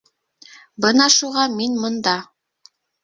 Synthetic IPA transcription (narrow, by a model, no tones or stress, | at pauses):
bɤnɑʃuʁɑminmŏnd̪ɑ